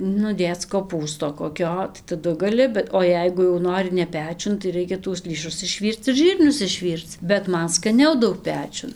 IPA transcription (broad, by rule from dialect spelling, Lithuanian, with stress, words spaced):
nʊ ˈdʲeːt͡s koːˈpuːstoː koːˈkʲoː tɐɪ tɐˈdʊ ɡɐˈlʲɪ bʲɛt oː ˈjɛɪɡʊ jɛʊ ˈnoːrʲɪ nʲɛ ˈpʲæːt͡ʃʲʊn tɐɪ ˈrɐɪkʲɛ tuɔs ˈlʲiːʃʊs ɪʃʲˈʋʲiːrt͡s ɪr ˈʒʲiːrʲnʲʊs ɪʃʲˈʋʲiːrt͡s bʲɛt ˈmɐn skɐˈnʲɛʊ ˈdɐʊk ˈpʲæːt͡ʃʲʊn